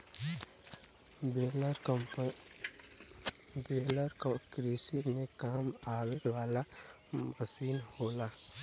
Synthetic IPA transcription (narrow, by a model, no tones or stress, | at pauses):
beːləɾkokɾisimẽkaːmaːweɾʋaːla | məsiːnhoːlaː